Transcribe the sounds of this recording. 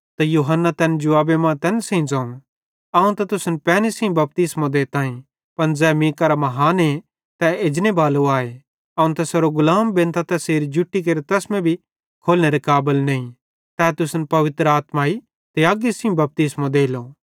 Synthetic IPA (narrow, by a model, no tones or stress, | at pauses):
t̪ajuːɦənːat̪ɛːnd͡ʒʊʋaːbemãːt̪ɛːnsẽĩd͡zãːũ | aũt̪ɐt̪ʊsnpɛːnesĩbɐp̚t̪ɪsmõd̪eːt̪ãːĩ | pɐnd͡zɛːmĩːkaɾamɐɦaːnɦe | t̪ɛed͡ʒnebaːluaːe | ɐːũt̪ɐsɐɾoɡʊlaːmbẽnt̪ʰat̪ɛseːɾid͡ʒʊʈːik̬eːɾet̪ɐsmẽbʱi | kʰoːlneɾekaːbɪlneĩ | t̪ɛːt̪ʊsnpɐʋɪt̪ɾəaːt̪maːi | t̪eaɡisĩbɐp̚t̪ɪsmõd̪eːlo